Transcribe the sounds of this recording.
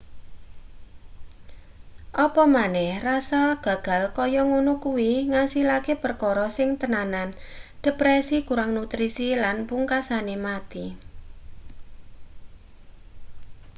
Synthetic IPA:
ʔɔpɔmanɛhrasaɡ̥a̤ɡ̥a̤lkɔjɔŋonukuwiŋasilakepərkɔɾɔsɪŋt̪ənanand̥ɛ̤pɾɛsikuɾaŋnut̪ɾisilanpuŋkasanemat̪i

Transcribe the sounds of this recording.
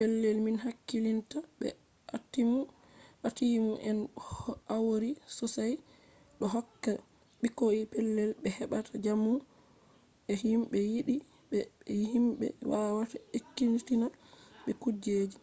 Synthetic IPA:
pɛlːɛlminɦakːilintabɛ̰ | atːimu | ʔatimuʔɛnʔawɾisɔsaj | ɗɔɦɔkːa | ɓikoipɛlːɛlɓɛhɛɓatʰad͡ʒamːu | ɛhimɓɛjiɗi | bɛhimɓɛ̰wawataekːintinaɓɛkud͡ʒeːd͡ʒi

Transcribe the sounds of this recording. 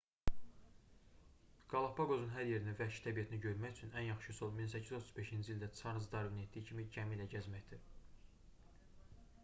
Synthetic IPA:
ɡ̥ɑlˠɑpʰɑɡozunɦæɾje̞ɾinivæʃt̪ʰæbijæt̪ʰiniɟø̞ɾmæçyt͡ʃʰynænjɑχʃɯsolˠmins̬æcʰːizot̪ʰuzbe̞ʃind͡ʒild̪æt͡sʰɑɾnɯzd̪ɑɾviniet̪d̪ijicʰimiɟæmilæɟæzmæçd̪̥i

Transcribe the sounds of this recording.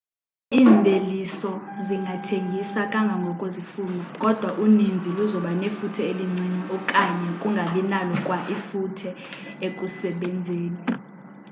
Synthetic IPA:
iːmbʱelisɔziŋɡʱatʰeŋɡʱisakʼaŋɡʱaŋɡʱɔkʼozifuːlɔkʼɔd̥ʱwaʔunind͡zʱiluzɔɓanefutʰɛeliŋ͡ǀʱiŋ͡ǀiɔkʼaɲɛkʼuŋɡʱalinalɔkʼwaʔifutʰɛ | ekʼusɛɓɛnd͡zʱeːni

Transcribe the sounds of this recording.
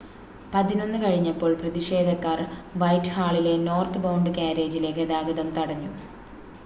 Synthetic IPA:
pɐðino̞nːɨkɐɻiɲːɐpːo̞ːɭprɐðiʂe̞ːd̪ʱɐkːaːrʋɐjtːhaːɭile̞no̞ːrt̪ɨbɐwɳɖɨkaːɾeːd͡ʑile̞ːkːed̪aːɡɐðɐmt̪ɐɽɐɲːu

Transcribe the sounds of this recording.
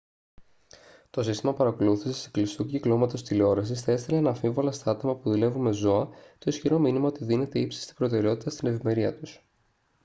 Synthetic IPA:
t̪o̞sist̪imɐpɐɾɐko̞luθi̥sese̥klisuciklo̞mɐt̪o̞st̪ilo̞ɾɐsisθɐist̪elenɐfiɱvolɐst̪ɐɐt̪o̞mɐpuðule̞vume̞zo̞ɐt̪o̞isçiɾo̞minimɐo̞t̪iðine̞t̪e̞ipsi̥st̪i̥bɾo̞t̪e̞ɾe̞o̞t̪it̪ɐst̪ine̞vime̞ɾiɐt̪us

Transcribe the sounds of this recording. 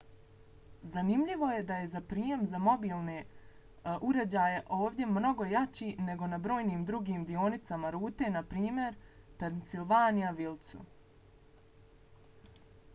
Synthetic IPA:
zanimʎiʋo̞je̞d̪aje̞zapɾiːje̞mzamo̞biːlˠne | ʔuɾed͡ʑaːjeʔo̞ːʋd̪je̞mno̞ɡo̞jat͡ɕiːne̞ɡo̞nabɾo̞ːjniːmd̪ɾuɡiːmd̪io̞nit̪samaɾuːt̪e̞ːnapɾiːmje̞ɾ | peɾnt̪silˠʋaːnijaʋilˠt̪sṵ

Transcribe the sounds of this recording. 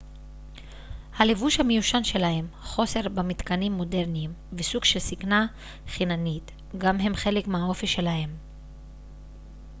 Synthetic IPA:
halevuʃhamejuʃanʃe̞lahe̞mχo̞se̞ʁbemit̪kanimːo̞de̞ʁniːmvesuɡʃe̞lsikna | χinanit̪ | ɡamɦe̞mχe̞lekmeɦao̞fiʃe̞lahe̞m

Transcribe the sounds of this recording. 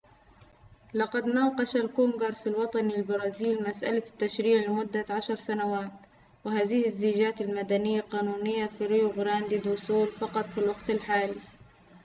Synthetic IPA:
lɑqɑd̪nɑːqɑʃalkuːmɡɑɾˤsalwɑt̪ˤɑnilbɑɾˤɑːziːlmasʔa̰lat̪ːaʃɾiːʕlɪmʊd̪ːaʕaʃɑɾˤsanawaːt̪ | wɪɦaːðɪhɪzːiːd͡ʒaːt̪ɪlmad̪anɪjːaqɑːnuːnɪjːafiɾɪjuɣɾaːnd̪id̪ʊsˤuːlfɑqɑt̪ˤfilwɑɡt̪ɪlħaːli

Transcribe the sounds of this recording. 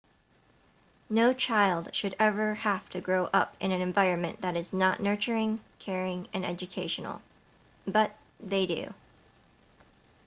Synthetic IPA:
noʊt͡ʃʰaɪlˠd̥ʃɨɾɛvə˞hæftʰɨɡɹoʊʔʌ̰pɨ̰̃ñɨ̃nɨ̃ɱvaɪɹɨ̃nmɨ̰̃nðɨɾɨznəʔⁿnɜ˞t͡ʃə˞ɪ̃ŋkʰɛɹɪ̃ŋɨ̃nɛ̰d͡ʒɨkʰeɪʃɨn̩l̩ˠ | bʌt̪̚ | ðeɪdʉ̰

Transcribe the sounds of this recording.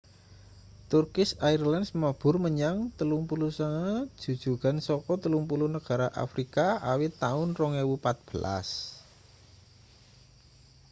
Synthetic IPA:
t̪urkɪsairlandsmab̥ʊ̤rməɲaŋt̪əluŋpulusəŋḁʒ̥ṳd̥ʒ̥ṳɡansɔkɔt̪əluŋpulunəɡ̥a̤ɾaʔa̰fɾikaa̰wɪt̪ːaʊnrɔŋewupat̪̚b̥əla̰s

